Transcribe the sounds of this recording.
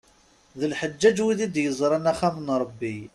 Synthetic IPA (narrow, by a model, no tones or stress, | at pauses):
ðəlħəd͡ʒːæd͡ʒwiðid̪jəzˤɾˤɑnæχæmənɾˤəbːi